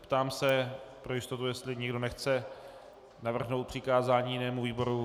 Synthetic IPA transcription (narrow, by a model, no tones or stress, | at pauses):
pt̪aːmsɛpɾojɪst̪ot̪ujɛst̪lɪɲɪɡdo̞nɛxt͡sɛ | navr̩ɦnowt̪pr̥ɪkaːzaːɲijɪnɛːmuviːbo̞ɾu